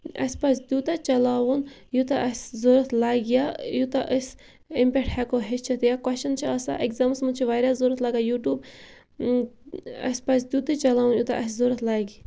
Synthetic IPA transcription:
ɐ̰spasd̪uːt̪at͡ʃɐlaːwun | jut̪aʔɐsʲzoːɾɐt̪ʰlaːɡijajut̪aʔəs | impʲeʈʰhɛkoɦest͡ʃʰɐt̪jakɐʃɐnt͡ʃʰiɐsa̰ʔekzaːmsmut͡ʃʰiʋaːɾaːzuɾɐt̪laɡaːjuːʈjuːb | ɐ̰spɐsd̪uːt̪ɐt͡ʃɐlaːwunjut̪a̰ʔɐszoːɾɐt̪ʰlaːɡi

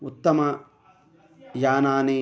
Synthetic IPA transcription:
ut̪ːɐmɐ | jaːnaːne

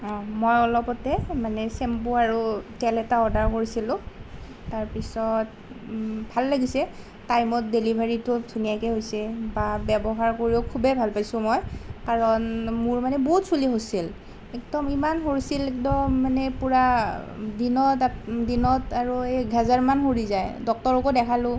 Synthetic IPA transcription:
ãmɔjɔlɔpɔtɛmanɛsɛmpoaɹutɛlɛtaɔdʱaɹkoɹisilʊ̃ | taɹpisɔt̚ | bʱalːaɡisɛ | tajmɔt̚delibʱaɹitʊdʱunijakɛɦojsɛbabɛbɔɦaɹkoɹiʊkʰubɛbʱalpajsʊ̃mɔjkaɹɔnmuɹmanɛboɦutsuliɦosil | ɛk̚dɔmimanɦoɹisilkdɔmanɛpuɹa | dinɔtadinɔtaɹueɡʱazaɹmanxoɹizajdɔk̚tɔɹokɔdɛkʰalʊ̃

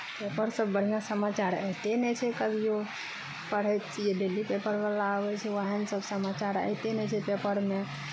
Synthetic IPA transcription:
pepəɾsəbːəɽ̤ijãsəmat͡ʃaɾə̰ɦt̪enɛt͡ʃʰɛkəbʱijo | pəɽ̤ɛt̪t͡ʃʰiɖelipepəɾbalaəbɛt͡ʃʰɛʋaɦənsəbsəmat͡ʃaɾə̰ɦt̪enɛt͡ʃʰɛpepəɾme

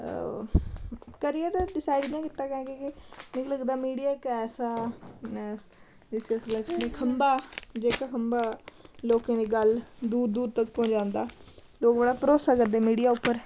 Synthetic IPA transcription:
kəɾijəɾɖɪsaːɪɖãːkɪt̪aːkɛ̃ːɡekɪmɪləɡd̪aːmiːɖijaːɪkɛːsaː | d͡ʒɪsiəsɡlaːt͡ʃəneːkʰəmbaːd͡ʒeːkaːkʰəmbaːloːkãːd̪iːɡəld̪uːɾd̪uːɾt̪əkːpɔ̃ːɲd͡ʒãːnd̪aː | loːkbəɽaːpəɾoːsaːkəɾd̪eːmiːɖijaːʊpːəɾ

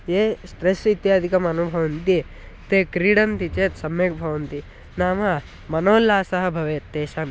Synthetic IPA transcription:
jeːsʈɾesit̪jaːd̪ʱikɐmɐnubʱɐʋɐnt̪i | t̪eːkɾiːɽɐnt̪it͡ʃeːt̪sɐmjeːkbʱɐʋɐnt̪i | naːmɐ | mɐnoːlaːsɐɦɐ̆bʱɐʋeːt̪ːeːʃɐm

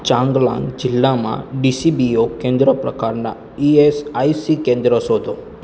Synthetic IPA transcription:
t͡ʃãŋɡlã̰ŋɡd͡ʒɪlːamã̰ɖisibiokẽnd̪ɾəpɾə̰kaɾna̰ | iesaisikẽnd̪ɾəsod̪o

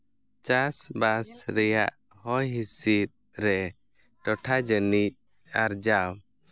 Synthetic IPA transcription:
t͡ʃasbasɾɛjaʔ | hɔjɦisit̪̚ | ɾɛ | ʈɔʈʰad͡ʒənic̚ | aɾd͡ʒaw

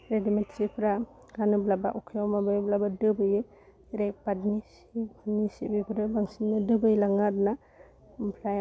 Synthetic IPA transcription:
ɾedimentsipʰɾa | ɡanɯblaba̰ʔukʰijawmabɯjblabadɯbɯj | ɾepadnisikʰanisibipʰɾɯbaŋsinnɯdɯbɯjlaŋatna | pʰlaj

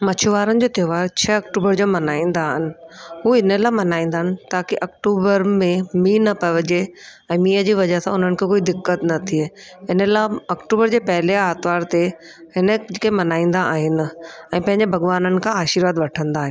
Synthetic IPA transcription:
mɐt͡ɕʰʊʋaːɾənɪ̆d͡ʑoːt̪joʋaːɾt͡ɕʰɐɐkʈuːbəɾd͡ʑoːmɐnaːĩːn̆d̪aːɦɪnɪ̆ɦuːɪnəlaːɪmɐnaːĩːnd̪aːɦɪnɪ̆t̪aːkiʔɐkʈuːbəɾmẽmiːnɐpɐʋəd͡ʑeɛ̃ːmiːəd͡ʑiːʋɐd͡ʑəɦsãʊn̤ənɪ̆kʰẽkoːid̪ɪkːət̪nɐt̪ʰie | ɪnəlaɐkʈuːbəɾd͡ʑeːpɐɦɪleaːt̪ʋaːɾt̪e | ɦɪnəd͡ʑɪkemɐnaːĩːnd̪aʔaːɦɪnɪ̆ɛ̃ːpɐ̃ɦɪ̃ɲd͡ʑebʱɐɡʋaːnənɪ̆kʰãaːʃiɾʋaːd̪ʋɐʈʰə̃nd̪aːɦɪ̃

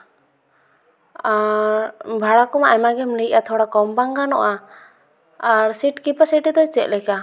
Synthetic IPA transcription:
aɾbʱaɽakɔmaʔɛmaɡɛmlij̚ʔat̪ʰɔɽakɔmbaŋɡanɔ̰ʔa | ɾsiʈkipasiʈit̪ɔt͡ʃɛʔ̚lɛka

